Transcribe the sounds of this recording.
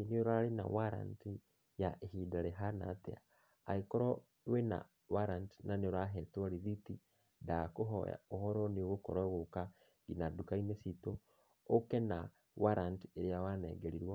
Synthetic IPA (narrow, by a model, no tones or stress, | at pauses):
inioɾalina̰waɾa̰nti | jaʔehidaɾeɦana̰tḛa̰ː | ikoɾɔ | wena̰ | waɾanti̥naneoɾaɦɛtaɾiðiti | dakoɦɔ̰a̰ohɔɾɔnioɣokɔɾɔɣoka | ɡinadukainesito | okena | waɾantieɾejawanɛ̰ɡeɾiɾwa